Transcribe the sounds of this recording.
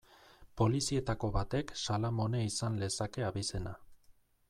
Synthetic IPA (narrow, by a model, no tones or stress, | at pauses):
po̞lisie̞t̪ako̞βat̪e̞ksalamo̞ne̞isanle̞sake̞aβise̞na̰